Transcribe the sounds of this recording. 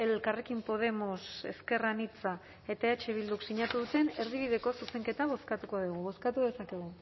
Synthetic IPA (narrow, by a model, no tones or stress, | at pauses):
e̞lkare̞kimpo̞ð̞e̞mo̞se̞̰ske̞ranit͡sa | e̞t̪aeet͡ʃe̞β̞ild̪uksiɲat̪uðut̪e̞ne̞ɾðiβ̞iðe̞ko̞suse̞ŋke̞t̪aβ̞o̞skat̪uko̞ðuɣ̞uβo̞skat̪uðe̞sake̞ɣ̞u